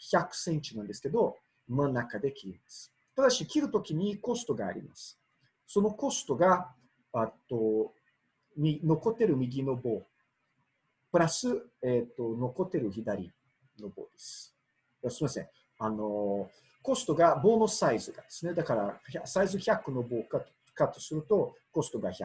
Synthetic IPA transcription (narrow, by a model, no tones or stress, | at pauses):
çʲakːɯ̟̥sẽ̞ɲ̟t͡ɕinãnd̪e̞sɨ̥ke̞d̪o̞ | manːakad̪e̞kʲiɾʲimasɨ̥ | t̪ad̪aɕikʲiɾɯ̟t̪o̞kʲiɲ̟iko̞st̪o̞ɡa̰ːɾʲḭmasɨ̥ | so̞no̞ko̞sɨ̥t̪o̞ɡa | at̪ːo̞ | mʲino̞ko̞t̪e̞ɾɯ̟mʲiɡʲino̞bo̞ː | pɯ̟ɾasɨet̪ːo̞no̞ko̞t̪ːe̞ɾɯ̟çid̪aɾʲḭ | no̞bo̞̰ːd̪e̞sɨ̥ | asoɾemasẽ | ano̞ | ko̞sɨ̥t̪o̞ɡabo̞ːno̞saizɨɡad̪̥e̞sɨne̞d̪akaɾaçasaizɨçʲakːɯ̟no̞bo̞ːka | kat̪o̞̥sɨɾɯ̟t̪o̞ko̞sɨ̥t̪o̞ɡaçʲa